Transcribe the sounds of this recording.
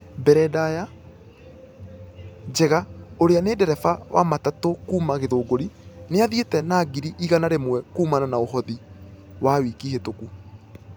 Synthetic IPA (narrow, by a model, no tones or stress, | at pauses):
bɛɾɛdaja | d͡ʒɛɣaoɾeaneːdɛɾɛfawʔa̰matatokuːmaɣeðoːɡoɾineaðietɛnaːɡiɾiʔiɣanaɾemwɛkuːmananaoɦɔði | wawiːkihetoku